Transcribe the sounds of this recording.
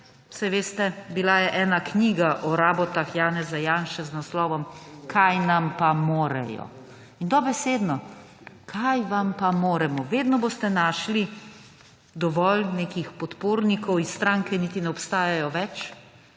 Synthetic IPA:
u̥sajʋeːst̪ɛbilajɛʔɛːnakniːɡaʔɔɾaːbɔt̪axjaːnɛzajaːnʃɛznaslɔːʋɔmkʰajnampamoːɾɛ̰jɔ̰ | ind̪ɔbɛseːd̪nɔ | kʰajʋampamoːɾɛmɔʋeːd̪nɔboːst̪ɛnaːʃli | d̪ɔʋɔlneːkixpɔt̪poːɾnikɔwisːt̪ɾaːŋkɛnit̪inɛɔpst̪aːjajɔʋɛt͡ʃ

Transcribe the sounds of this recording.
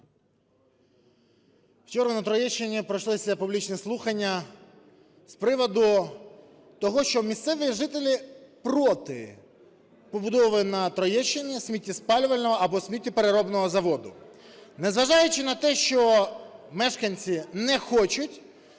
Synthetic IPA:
wt͡ʃɔɾɐnɐt̪ɾɔjɛʃːɪnʲipɾɔjʃlˠɪsʲɐpublʲit͡ʃnɛslˠuxɐnʲːɐ | spɾɪʋɔd̪ʊ | t̪ɔɦɔʃt͡ʃɔmʲist̪sɛʋiʒɪt̪elʲipɾɔt̪ɪ̰ | pɔbʊd̪ɔʋɪnɐt̪ɾɔjɛʃːɪnʲisʲmʲitʲːispɑlʲʋɐlʲnɔɦɔɐbɔsʲmʲitʲːipeɾeɾɔbnɔɦɔzɐʋɔd̪ʊ | nezʋɐʒɑjʊt͡ʃɪnɐt̪ɛʃt͡ʃɔmɛʃkɐnʲt͡sʲinɛxɔt͡ʃʊtʲ

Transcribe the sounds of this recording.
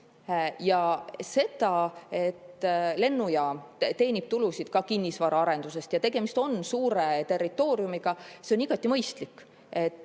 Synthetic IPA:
jɑse̞d̪̥ɑe̞t̪ːle̞nːujɑt̪e̞ːnʲib̥̚t̪ulusid̪̥kɑkinːisvɑɾɑɑɾe̞nd̪̥use̞st̪jɑt̪e̞ɡ̥e̞mist̪o̞nsuːɾe̞t̪e̞rːit̪ːˑo̞ːɾjumiɡ̥ɑse̞oniɡ̥ɑt̪ːˑimɤjst̪likː | e̞t̪ːˑ

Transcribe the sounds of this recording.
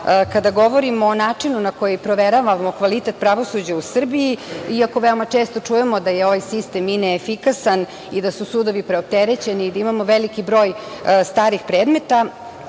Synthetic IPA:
kad̪aɡo̞ʋo̞ɾimoːnaːt͡ʂinunakojepɾo̞ʋeɾaʋamokʋalit̪et̪̚pɾaʋo̞sud͡ʑausr̩biiiako̞ʋeomat͡ʂest̪o̞t͡ʂujemod̪ajeo̞ʋajsist̪emineːfikasan | id̪asusud̪oʋipɾeop̚t̪eɾet͡ɕe̞niːd̪aimamo̞ʋelikibɾo̞ːj | st̪aːɾixpɾed̪me̞t̪a

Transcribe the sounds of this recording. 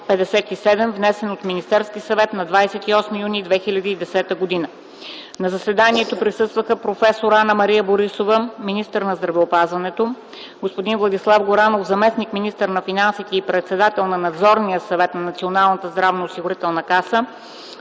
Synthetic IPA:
pɛd̪ɛsɛt̪isɛd̪ɛmvnɛsɛnot̪minist̪ɛɾskisɐvɛt̪nɐd̪vajsɛt̪iɔsməjunid̪vɛxilʲɐd̪iːd̪ɛsɛt̪əɡod̪inə | nɐzɐsɛd̪aniɛt̪opɾisɤst̪vəxəpɾofɛsoɾanəmɐɾijəboɾisovəminist̪əɾnɐzd̪ɾɐvɛopazvɐnɛt̪o | ɡospod̪invlˠɐd̪islˠafɡoɾanofzɐmɛsnikminist̪əɾnɐfinansit̪ɛipɾɛt̪sɛd̪at̪ɛlˠnɐnɐd̪zɔɾnijəsɐvɛt̪nɐnɐt̪sionalˠnət̪əzd̪ɾavnoːsiɡʊɾit̪ɛlˠnəkasə

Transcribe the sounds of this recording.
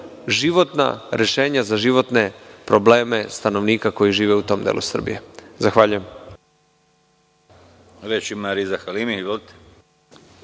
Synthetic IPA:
ʒiʋo̞t̪na̰ɾe̞ʃe̞ːɲazaʒiʋo̞t̪ne̞pɾo̞ble̞ːme̞st̪ano̞ʋniːkako̞jiʒiːʋeut̪o̞ːmd̪ḛlusr̩bḭje̞zaxʋaːʎujem | ɾet͡ʃimaɾizaxalimiivolt̪e̥

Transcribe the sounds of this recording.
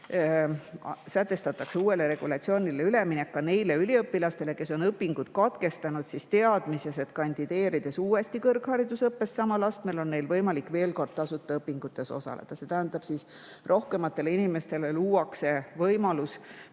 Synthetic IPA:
sæt̪ːˑe̞st̪ɑt̪ːˑɑkseuːe̞le̞ɾe̞ɡ̥ulɑt̪sio̞ːnʲileyle̞minekːɑne̞jle̞ylʲiɤpːilɑst̪e̞le̞ke̞so̞nɤpːiŋɡut̪kɑt̪ke̞st̪ɑnud̪̥sist̪e̞ɑd̪̥mise̞se̞t̪kɑnʲd̪̥id̪̥e̞ːɾid̪̥e̞suːest̪ikɤrkhɑɾid̪̥usɤpːe̞ssɑmɑlɑst̪mejlo̞nne̞jlvɤjmɑlikːˑve̞ːlko̞rd̪̥̚t̪ɑsut̪ːˑɑɤpːiŋɡut̪ːˑe̞so̰sɑ̰lḛd̪̥ɑse̞t̪æɦænd̪̥ɑb̥sis | rʔo̞hke̞mɑt̪ːˑe̞leinime̞st̪e̞leluːɑkse̞vɤjmɑlus

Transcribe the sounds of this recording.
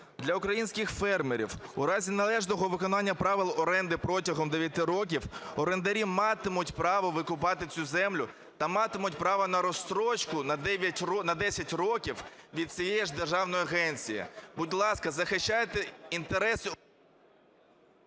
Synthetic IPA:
d̪lʲɐʊkɾɐjinʲsʲkɪxfɛrmeɾʲḭwṵɾɑzʲinɐlˠɛʒnɔɦɔʋɪkɔnɑnʲːɐpɾɑʋɪlˠɔɾɛnd̪ɪpɾɔtʲɐɦɔmd̪eʋʲjɐt̪ɪɾɔk̬ʲiwɔɾend̪ɐɾʲimɑt̪ɪmʊtʲpɾɑʋɔʋɪkʊp̬ɑt̪ɪt͡sʲuzɛmlʲʊ | t̪ɐmɑt̪ɪmʊtʲpɾɑʋɐnɐɾɔst̪ɾɔt͡ʃkʊnɐd̪ɛʋʲjɐtʲɔnɐd̪ɛsʲɐtʲrɔkʲiwʋʲid̪̚t͡sʲijɛjɛʒd̪erʒɑwnɔjɐɦɛnʲt͡sʲijɪ̰budʲlˠɑskɐzɐxɪʃt͡ʃːajet̪ɛint̪eɾɛsʊ

